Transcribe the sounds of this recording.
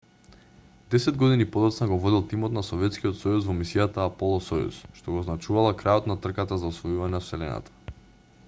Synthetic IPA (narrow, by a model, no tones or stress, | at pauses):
d̪ɛsɛd̪ɡɔd̪inipɔd̪ɔt̪snaɡɔvɔd̪ilˠt̪imɔt̪nasɔvɛt̪skiɔt̪sɔjusvɔmisijat̪aːpɔlˠɔsɔjṵsʃt̪ɔɡɔːznat͡ʃuvalˠakɾajɔt̪nat̪r̩kat̪azaɔsvɔjuvaɲɛnsɛlɛna̰t̪ḁ